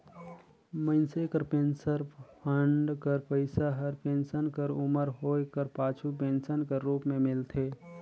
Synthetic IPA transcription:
mə̃ɪnsekəɾpẽːnsəɾpʰəɳɖkəɾpəɪsaɦəɾpẽnsənkəɾʊməɾɦoːekəɾpaːt͡ʃʰup̬ẽnsənkəɾuːpmẽmɪlt̪ʰeː

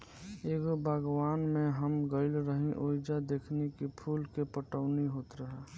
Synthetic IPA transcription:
eːɡobʱaɡwaːnmẽɦəmɡəɪlɾəɦĩʔoːd͡ʒad̪eːkʰnekipʰuːlkepəʈəʋniɦoːt̪ɾəɦɛː

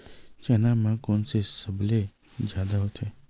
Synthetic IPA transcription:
t͡ʃɛnamãkonsesəble | d͡ʒad̪aɦot̪ʰe

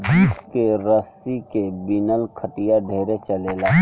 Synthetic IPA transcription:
biːskeɾəsikebɪnəlkʰəʈijaɖʱeːɾet͡ʃɐleːlaː

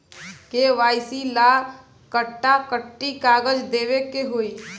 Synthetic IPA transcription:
keʋaːɪsila | kəʈːakəʈːikaːɡəd͡ʒd̪eːʋekeɦoːiː

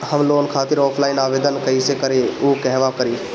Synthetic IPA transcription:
həmloːnkʰaːt̪ɪɾɔːpʰlaːɪnaːʋeːd̪ənkəisekəɾeukɛɦʋakəɾiː

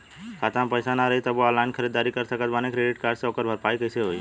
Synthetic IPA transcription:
kʰaːt̪ãmpəjsanaɾɐɦit̪əboalaːɪnkʰəɾiːd̪aːɾikəɾsəkət̪baːnekɾeːɖɪʈkaːɾseɦoːkəɾbʱəɾpaːikɐɪseɦoːi

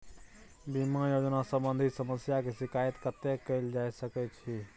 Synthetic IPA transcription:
bimãjod͡ʒənasəmbənd̪ʱisəməsjakesikait̪kət̪ekəɪld͡ʒajsəkɛt͡ʃʰi

